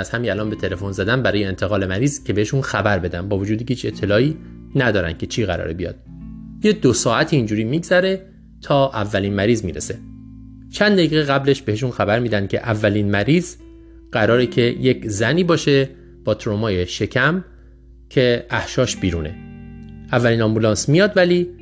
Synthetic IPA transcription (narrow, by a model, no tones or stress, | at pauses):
æz̥hæmiælɒːnbe̞t̪ʰe̞le̞fo̞nzæd̪ænbæɾɒːjeːnt̪ʰeɣɒːle̞mæɾiːz̥cʰe̞beeʃunxæbæɾbe̞d̪ænbɒːvo̞d͡ʒuːd̪ihiːt͡ʃʰe̞t̪ʰːe̞lɒːiː | næd̪ɒːɾæ̰n̥cʰe̞t͡ʃʰiːɣæ̰ɾɒ̰ːɾebijɒ̰ːd̪̥ | jed̪osɒːæt̪ʰiːnd͡ʒuːɾiːmiːɡzæɾe̞ | t̪ʰɒːʔævːæliːnmæɾiːzmiːɾese̞ | t͡ʃʰænd̪eiɣeɣæble̞ʃbe̞eʃunxæbæɾmiːd̪ænd̪̚cʰe̞̰ʔævːæliːnmæɾiːz | ɢ̥æɾɒːɾecʰe̞jecʰzæniːbɒːʃe̞ | b̥ɒːt̪ʰɾomɒːjeʃe̞cʰæm | cʰe̞ʔæhʃɒːʃb̥iːɾuːne̞̰ | ʔævːæliːnɒmbulɒːnsmijɒːd̪væliː